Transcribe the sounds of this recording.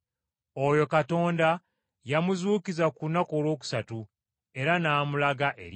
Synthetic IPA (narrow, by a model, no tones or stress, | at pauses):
ojo̞kato̞ːnda | jamuzuːkizakunako̞ːlwo̞ːk̬u̥satu | e̞ɾanaːmulaɡaʔe̞̰ɾ